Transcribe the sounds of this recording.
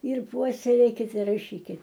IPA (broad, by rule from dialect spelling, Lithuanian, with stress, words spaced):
ɪr ˈpuɔsʲɛlʲeːkʲɪt rɐˈʃʲiːkʲɪt